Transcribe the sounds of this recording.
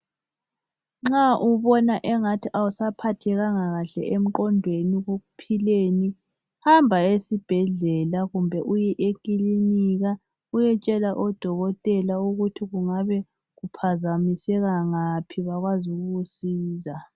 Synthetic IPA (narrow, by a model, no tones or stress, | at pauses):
ŋ͡ǁaʔuβɔnaʔɛŋatʰiʔawusapʰatʰɛɣaŋaɣaɬɛ̰ʔem̩ǃɔnbʱweniɣoɣupʰileni | hambʱaesib̥ʱɛɮɛlaɣumbʱɛʔujɛʔekʼiliniɣa | ujɛt͡ʃʼɛlaʔɔd̥ʱɔɣɔtʼɛlauɣutʰiɣuŋaβɛ | ɣupʰazamisɛɣaŋapʰiβaɣwazuɣuɣusiːza